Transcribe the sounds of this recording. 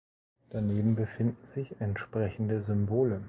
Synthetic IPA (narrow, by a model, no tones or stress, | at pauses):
d̥aneːbm̩bəfɪndn̩zɪçɛntʃpʁ̥ɛçn̩dəzʏmboːlə